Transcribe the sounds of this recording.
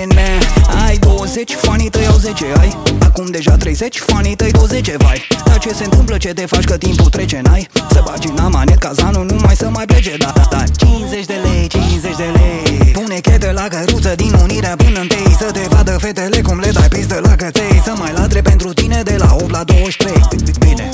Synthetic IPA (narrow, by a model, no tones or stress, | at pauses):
neajd̪o̞wəze̞t͡ʃʲfanit̪əjawzet͡ʃeajakumd̪e̞ʒat̪ɾe̞jze̞t͡ʃʲfanit̪əjd̪owəzet͡ʃevajd̪̥at͡ʃe̞se̞ɨnt̪ɨmplət͡ʃe̞t̪e̞fat͡ʃʲkət̪imput̪ɾet͡ʃe̞najsəbad͡ʒinamanet̪̚kazanunumajsəmajpled͡ʒed̪ad̪at͡ʃinzet͡ʃʲd̪elejt͡ʃinzet͡ʃd̪elejpunekʲet̪elakəɾut̪səd̪inuniɾeapunənt̪ejsəd̪evad̪əfet̪elekumled̪ajpis̬d̪əlakət̪ejsəmajlat̪ɾepe̞nt̪ɾut̪ine̞d̪e̞laop̚t̪lad̪o̞wəʃt̪ɾejɨt̪ɨt̪bine̞̰